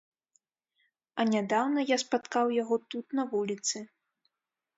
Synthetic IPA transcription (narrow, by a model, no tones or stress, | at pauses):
ɐnʲad̪awnɐjaspat̪kawjaɣɔt̪ut̪nɐvulʲit̪sɨ